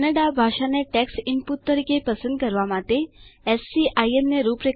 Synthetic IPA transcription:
nəɽabʱaʂaneʈɛksimput̪ːəɾikepəsənd̪̚kəɾʋamat̪ːeɛsːiʔajemneɾupɾe

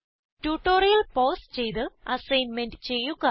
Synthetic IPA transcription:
tuːʈːoːɾijɐlpoːst͡ɕe̞jt̪ɨɐsɐjnmendɨt͡ɕe̞jːuɣɐ

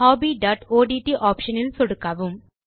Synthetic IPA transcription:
haːbiːɖaːʈoːɖiːʈiʔaːpʂɐnɪlsɔɽɯkːɐʋɯm

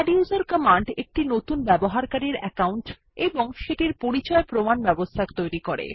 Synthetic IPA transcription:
ɖiuzaɾkəmaɳɖek̚ʈinot̪unbɛboɦaɾkaɾiɾɛ̰kawɳʈ | eboŋʃeʈiɾpoɾit͡ɕɔepɾomanbɛbost̪ʰakt̪ojɾikoɾḛ

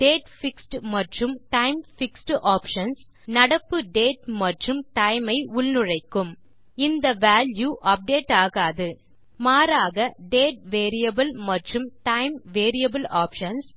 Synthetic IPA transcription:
ɖeːʈfɪksʈmɐʈrɯmʈɐɪmfɪksʈʔaːpʂɐns | nɐɽɐpːɯɖeːʈmɐʈrɯmʈɐɪmɐɪʊɭnɯrɐɪkːɯm | ɪnd̪ɐʋaːljuʔɐp̚ɖeːʈːaːɣaːðɯ | maːɾaːɣɐɖeːʈ̚ʋeːɾɪjɐbɐlmɐʈrɯmʈɐɪmʋeːɾɪjɐbɐlaːpʂɐns

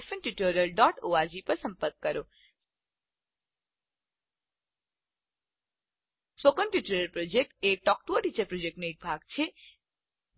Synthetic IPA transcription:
fʰənʈuʈoɾəlɖɔʈoaɾd͡ʒipəɾsə̃mpəɾkkəɾo | spokənʈjuʈɾəɾəlpɾod͡ʒek̚ʈeʈɔk̚ʈoʈit͡ʃəɾpɾod͡ʒek̚ʈnoek̚bʱaɡt͡ʃʰe

